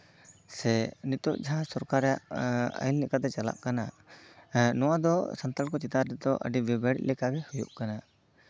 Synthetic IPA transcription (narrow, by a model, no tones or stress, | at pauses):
sɛnit̪ɔʔd͡ʒaɦãsɔɾkaɾɛjaʔa̰jllɛkat̪̬ɛt͡ʃala̰ʔkana | nɔwad̪ɔsant̪alkɔt͡ʃit̪aɾdɛd̪ɔʔə̰ɖibibaɽḭt̪̚lɛkaɡɛhujṵʔkana